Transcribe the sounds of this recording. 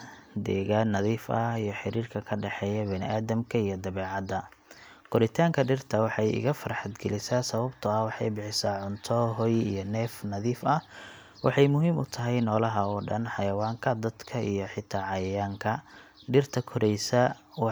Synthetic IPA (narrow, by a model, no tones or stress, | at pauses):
d̪ɛːɣaːnːɐðiːfɐijɞħɪɾiːrkʰɐkʰɐɖɛħɛːjɐbɛnɪ̰ʔaːðɐmkʰɐijɞd̪ɐβɛːʕɑd̪ɐ | kʰɔɾɪt̪ʰaːŋkʰɐɖɪrt̪ʰɐwɑħɑjɪ̰ɣɐfɐɾħɑd̪ɡɛlɪsaːsɐβɐbt̪ʰɐɐwɑħɑ̰jbɪħɪsaːʕʊnt̪ʰɔɦɔjijɔnɛːfnɐðiːfɐ | wɑ̰ħɑjmʊɦiːmʊt̪ʰɐɦɛjnɔːlɐɦɐɔːɖɐnħɑjɐwaːŋkʰɐd̪ɐd̪kʰɐijɞħɪt̪ʰaːʕɑjɐjaːŋkʰɐ | ɖɪrt̪ʰɐkʰɔɾʔɛjsɐw